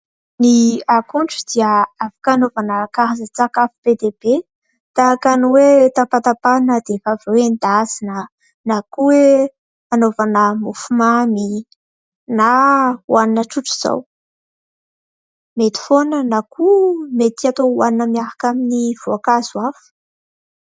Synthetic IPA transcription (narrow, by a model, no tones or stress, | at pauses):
niakuɳʈ͡ʂud̪iəafḁkanovanəkaɦazət͡sakafu̥b̥ed̪eb̥e | t̪aakaniwet̪apat̪apanəd̪evavewend̪azinə | nakuwe | anovanəmufumami | nawaninəʈ͡ʂuʈ͡ʂiz̥a̰w | met̪i̥fonənakʰumet̪iat̪owaninəmiaɾakaminivoakazwafə̥